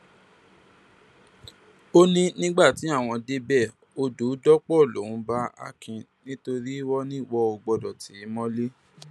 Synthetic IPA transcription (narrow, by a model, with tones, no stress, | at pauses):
o˦nĩ˦nĩ˦ɡ͡ba˦˨ti˨˦a˦˨w̃ɔ̃˧de˦bɛ˦˨ | o˧do˨˦dɔ˦k͡pɔ˦˨lo̰˨ũ˨˦ba˦a̰˧kĩ˧ | nĩ˦to˧ɾi˦wɔ˦nĩ˦˨wɔ˦o˧ɡ͡bɔ˧dɔ˨ti˨˦mɔ̃˦le˦